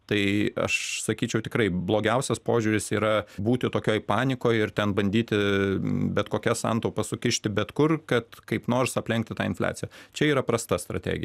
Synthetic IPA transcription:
t̪ɐɪɐ̰ʃsɐkʲiːt͡ʃʲɛʊt̪ʲɪkɾɐɪblˠoːɡʲɛʊsʲɛspoːʒʲuːɾʲɪsiːɾɐbuːt̪ʲɪt̪oːkʲoːjpɑːnʲɪkoːjɪrt̪ʲɛnbɐnʲd̪ʲiːt̪ʲɪ | bʲɛt̪koːkʲɛsɐ̰nt̪oːpɐsʊkʲɪʃʲt̪ʲɪbʲɛt̪kʊrkɐt̪kɐɪpnoːrsɐpʲlʲɛŋkt̪ʲɪt̪ɑːɪnflʲæ̰ːtt͡s̪ʲɪjɛt͡ʃʲɛiːɾɐpɾɐst̪ɐst̪ɾɐt̪ʲæ̰ːɡʲɪ̰j

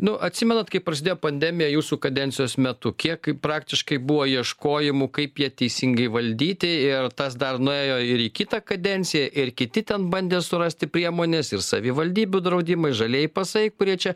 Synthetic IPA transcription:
nʊʔɐt̪ʲsʲɪmʲɛnɐt̪kɐɪpɾɐsʲɪd̪ʲeːjoːpɐnʲd̪ʲɛmʲɪjɛjuːsuːkɐd̪ʲɛnʲtsʲɪjoːsmʲɛt̪ʊkʲiɛkpɾɑːkt̪ʲɪʃkɐɪbuʋoːiɛʃkoːjɪmʊkɐɪpjiɛt̪ʲɛɪsʲɪŋɡɐɪʋɐlʲd̪ʲiːt̪ʲɪɪrt̪ɐsd̪ɐrnʊeːjoːɪɾikʲit̪ɐkɐd̪ʲɛnʲt̪sʲɪjɛʔɪrkʲɪt̪ʲɪt̪ʲɛnbɐnʲd̪ʲeːsʊɾɐsʲt̪ʲɪpʲɾʲiɛmoːnʲesɪrsɐʋʲɪʋɐlʲd̪ʲiːbʲud̪ɾɐʊd̪ʲɪmɐɪʒɐlʲeɛjɪpɐsɐɪkʊɾʲiɛt͡ʃʲɛ

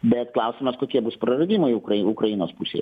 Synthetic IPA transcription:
bʲɛt̪klˠɐʊsʲɪmɐskoːkʲiɛbuspɾɐɾɐd̪ʲiːmoːkɐʊkɾɐjinoːspusʲḛjɛ

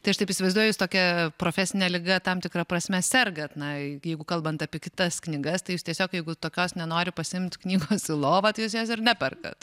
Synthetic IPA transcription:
t̪ɐɪɐʃt̪ɐɪpisʲɪʋɐɪzd̪uɔjɛjuːst̪oːkʲɛpɾoːfʲæsʲɪnʲɛlʲɪɡɐt̪ɐmt̪ʲɪkɾɐpɾɐsʲmʲɛsʲɛrɡɐt̪nɐjɛɪɡʊkɐlˠbɐnt̪ɑpʲiɛkʲɪt̪ɐsknʲɪɡɐst̪ɐɪjuːst̪ʲiɛsʲoːkjɛɪɡʊt̪oːkʲoːsnʲɛnoːɾʲɪpɐsʲɪɪmʲt̪ʲknʲiːɡoːsɪlˠoːʋɐt̪ɐɪjuːsjoːsɪrnʲæpʲɛrkɐ̰t̪

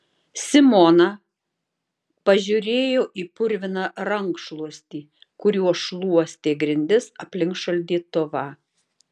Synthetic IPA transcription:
sʲɪmɔnɐ | pɐʒʲʊɾʲeːjoːʔiːpʊɾʲʋʲɪnɑːɾɐŋˑkʃlˠuɔsʲt̪ʲiː | kʊɾʲuɔʃlˠuɔsʲt̪ʲeːɡɾʲɪnʲd̪ʲɪsɐpʲlʲɪŋkʃɐlʲd̪ʲiːt̪oʋɑ

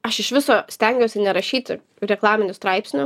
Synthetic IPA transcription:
ɐʃɪʃʋʲɪsoːsʲt̪ʲɛŋʲɡʲɛʊsʲɪnʲɛɾɐʃʲiːt̪ʲɪ | ɾʲɛklˠɑːmʲɪnʲʊst̪ɾɐɪpʲsʲnʲʊ

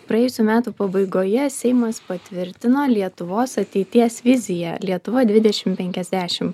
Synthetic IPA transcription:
pɾɐjɛːjʊsʲuːmʲæːt̪uːpɐbɐɪɡoːjɛsʲɛɪmɐspɐt̪ʲʋʲɪɾʲt̪ʲɪnoːlʲiɛt̪ʊʋoːsɐt̪ʲɛɪt̪ʲiɛsʋʲɪzʲɪjɛ̰lʲiɛt̪ʊʋɐd̪ʲʋʲɪd̪ʲɛʃʲɪmpʲɛŋʲkʲɛzʲd̪ʲæːʃʲɪm

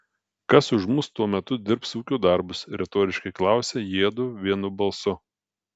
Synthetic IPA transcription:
kɐsʊʃmʊst̪uɔmʲɛt̪ʊd̪ʲɪɾpsuːkʲuːd̪ɐˑɾbʊsɾʲɛt̪oːɾʲɪʃkɐɪklˠɑˑʊsʲeːjeɛd̪ʊʋʲiɛnʊbɐlˠsʊ

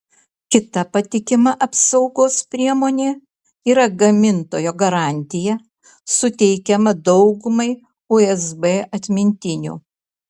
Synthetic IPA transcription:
kʲɪt̪ɐpɐt̪ʲɪkʲɪmɐʔɐpsɒʊɡoːspʲɾʲiɛmoːnʲeː | iːɾɐɡɐmʲɪnt̪oːjoːɡɐɾɑˑnʲt̪ʲɪjɛ | sʊt̪ʲɛɪkʲɛmɐd̪ɒʊɡʊmɐɪ | ʊɛzbeʔɐt̪ʲmʲɪnʲt̪ʲɪnʲṵː

